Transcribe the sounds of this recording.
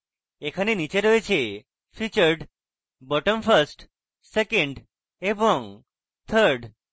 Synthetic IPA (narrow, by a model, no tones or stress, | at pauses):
ekʰanenit͡ʃeɾɔet͡ʃʰe | fʰit͡ʃəɾɖ | bɔʈəmfʰəɾsʈ | sekeɳɖ | ebɔŋ | t̪ʰəɾɖ